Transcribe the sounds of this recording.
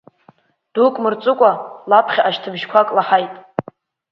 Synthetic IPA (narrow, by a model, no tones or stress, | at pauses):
d̥ukʼmɨrt͡sʼɨkʷʼalapʰχʲaʔaʃtʰɨbʒkʷʰakʼlaħajtʼ